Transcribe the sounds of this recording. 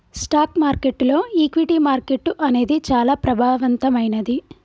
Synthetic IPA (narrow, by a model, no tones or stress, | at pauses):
sʈaːkmaːɾke̞ʈːlo̞ːiːkʋiʈiːmaːɾke̞ʈːuʔɐne̞ːd̪it͡ʃaːlaːpɾɐbʱaːʋɐnt̪ɐmɐjnɐd̪i